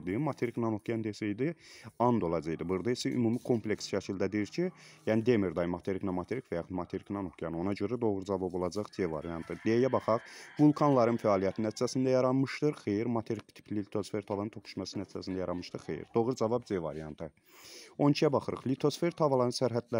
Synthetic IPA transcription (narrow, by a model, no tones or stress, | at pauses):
ɾd̪ɯmɑt̪ʰeɾiknɑno̞kʰjɑnd̪esejd̪iɑnd̪o̞lˠɑd͡ʒɑjd̪ɯbuɾd̪ɑisæʔy̰mumikʰo̞mplʲeksʃæcʰild̪æd̪iiɾcʰijæːnid̪emiɾd̪ɑjmɑt̪ʰeɾiknæmɑt̪ʰeɾikvæjɑxud̪mɑt̪ʰeɾiknɑnokʰjɑno̞nɑɟøɾæd̪o̞ɣɾd͡ʒɑvɑbo̞lˠɑd͡ʒɑχzevɑ̰ɾijɑnt̪ʰɯd̪ejæbɑχɑʁvulˠkʰɑnlˠɑɾɯnfæɑːlˠijæt̪ʰinːæt̪ʰi̥d͡ʒæsind̪æjɑɾɑnmɯʃt̪ɯɾxejiɾmɑt̪ʰeɾikt̪ʰi̥pʰlilit̪ʰo̞sfe̞ɾt̪ʰɑvɑnɯnt̪okʰu̥ʃmɑsinæt̪ʰid͡ʒæsinæjɑɾɑnmɯʃt̪ɯɾxḛjḭɾd̪o̞ɣɾd͡ʒɑvɑbzevɑ̰ɾijɑnt̪ʰɯ | o̞nt͡ʃʰijæbɑχɯɾɯ̰χlit̪ʰo̞sfe̞ɾt̪ʰɑvɑlˠɑnɯnsæɾɦæd̪læ